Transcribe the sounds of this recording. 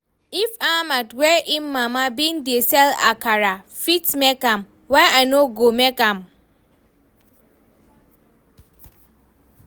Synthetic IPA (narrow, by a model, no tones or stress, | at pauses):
ifamatwɛʔimːãmãbĩn̩diesɛla̰kʰaɾa | fitmɛkãm | wɛ̃naɪnoɡomɛkãm